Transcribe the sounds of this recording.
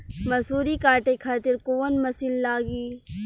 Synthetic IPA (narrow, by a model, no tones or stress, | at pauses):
mɐsuːɾikaːɾʈekʰaːt̪ɪɾkoːənmɐsillaːɡiː